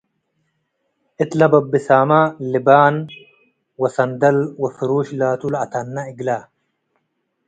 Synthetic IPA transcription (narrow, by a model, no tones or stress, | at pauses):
ʔɪt̪lɐbɐbːɪsaːmaːlɪbaːn | wɐsɐnd̪ɐlwɐfɪɾuːʃlaːt̪ulɐt̪ɐnːɐɪɡlaː